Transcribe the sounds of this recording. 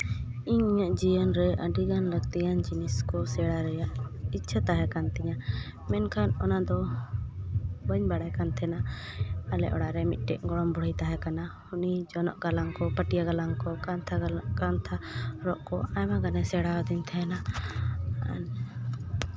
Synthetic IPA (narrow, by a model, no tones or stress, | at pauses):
iɲiɲəʔd͡ʒijənɾɛʔəɖiɡanləɡt̪ijand͡ʒiniskɔsɛɽaɾɛjaʔit͡ʃʰət̪aɦɛkant̪ɛɲa | mɛnkʰanɔnad̪ɔ | bəɲbaɽajkant̪ʰɛna | alɛ̰ʔɔ̰ɽaɾɛmit̪̚ˀʈɛʔ̚ɡɔɽɔmbɔɽijt̪aɦɛkanahunid͡ʒɔnɔʔɡalaŋkɔpəʈijaɡalaŋkɔkant̪ʰakant̪ʰaɾɔʔkɔajmaɡanɛsɛɽawad̪int̪ʰɛna | a̰n